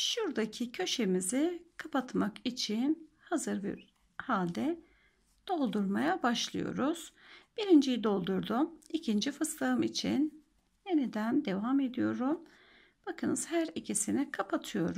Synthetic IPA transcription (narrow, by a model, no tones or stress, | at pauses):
ʃuɾd̪acʰicʰø̞ʃe̞mizɪkʰapʰat̪makit͡ʃʰin | hazɯɾbḭɾ | halʲd̪ɛ | d̪̥o̞lˠd̪uɾmajabaʃlˠɯ̰jo̞̰ɾuz̥b̥iɾind͡ʒijid̪o̞lˠd̪uɾd̪umicʰind͡ʒifɯst̪aɯmit͡ʃʰḭn | je̞nid̪ænd̪e̞vame̞d̪ijo̞ɾum | b̥akʰɯnɯz̥hæɾicʰisinikʰapʰat̪ʰɯjo̞ɾu